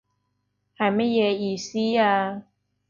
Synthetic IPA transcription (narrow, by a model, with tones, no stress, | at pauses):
ha˨˩ma˨˦je˨˩i˨˩si˦a˧